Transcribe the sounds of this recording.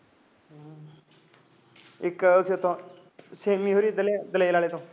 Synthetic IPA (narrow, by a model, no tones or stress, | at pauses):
ɪkʊsiʊt̪ʰːõː | seːmiːoːɾiːd̪əld̪əlelaːleːt̪õː